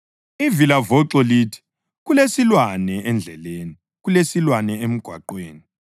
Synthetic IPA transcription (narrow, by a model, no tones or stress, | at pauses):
ivilavɔǀɔliːtʰi̥ | ɣulesilwanɛʔɛnd͡ɮʱɛleːni | ɣulesilwanɛem̩ɡ̥ʱwa̰ǃweːni